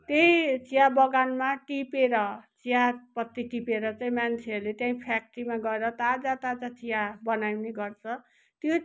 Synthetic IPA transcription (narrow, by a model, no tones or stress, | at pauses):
t̪ʌĩt͡sijabʌɡanmaʈipeɾʌt͡sijapʌt̪ːiʈipeɾʌt͡saĩmant͡sʰeʌrlet̪jãĩpʰak̚ʈimaɡʌeɾʌt̪ad͡zat̪ad͡zat͡sʰijabʌnawneɡʌrt͡sʰʌ | t̪jo